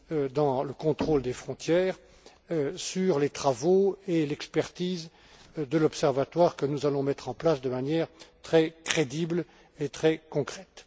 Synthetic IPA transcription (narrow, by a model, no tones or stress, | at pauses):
d̪ɑ̃ləkɔ̃t̪χold̪efχɔ̃t̪jɛːʁ | syʁlet̪χavoelɛkspɛʁt̪iz | d̪əlɔpsɛʁvat̪waʁkənuzalɔ̃mɛt̪χɑ̃plasd̪əmanjɛːʁt̪χɛkχed̪ibl | et̪χɛkɔ̃kχɛt̪